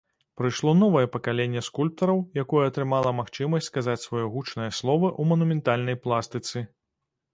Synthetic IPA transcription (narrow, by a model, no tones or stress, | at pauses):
pɾɨjʂlˠɔnɔvɐjɛpɐkalʲenʲːɛskulʲp̚t̪ɐɾɐwjakɔjɛɐt̪ɾɨmalˠɐmaxt͡ʂɨmɐsʲt͡sʲskazat͡sʲsvɔjɔɣut͡ʂnɐjɐslˠɔvɐʔumɐnumʲɛnt̪alʲnɐjplˠast̪ɨt̪sɨ